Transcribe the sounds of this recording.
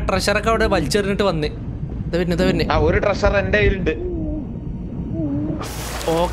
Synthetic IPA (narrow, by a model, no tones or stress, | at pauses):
ʈreɕɐrɐkːɐʋiɽeʋɐlt͡ɕːɐriniʈːɨʋɐnːɨ | t̪ɐʋɐɾnːɨðɐʋɐnːɨaːoɾuʈreɕɐre̞ndeiɾuɳɖɨ | oːk